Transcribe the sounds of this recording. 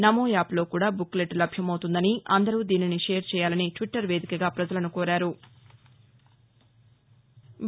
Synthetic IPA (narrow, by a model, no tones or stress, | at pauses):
nɐmoːjaːplo̞ːkuːɽaːbukːleʈlɐbʱjɐmɐwt̪und̪ɐniɐ̰nd̪ɐɾuːd̪iːniniʃe̞ːɾt͡ʃɛːjaːlɐniʈʋiʈːɐɾʋe̞ːd̪ikɐɡaːpɾɐd͡ʒɐlɐnukoːɾaːɾu